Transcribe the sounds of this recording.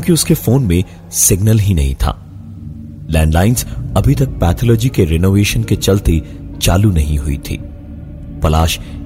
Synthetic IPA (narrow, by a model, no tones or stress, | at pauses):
kjõːkiʊskefoːnmẽ | sɪɡnəlɦinɐ̰ɦḭ̃t̪ʰa̰ː | lɛ̃ːɳɖlaːɪnzɐbʱit̪ɐk̚pɛːt̪ʰɔlɔːd͡ʒikeɾenoːʋeːʃənket͡ʃɐlt̪e | t͡ʃaːlunɐɦĩɦʊḭt̪ʰḭː | pɐlaːʃ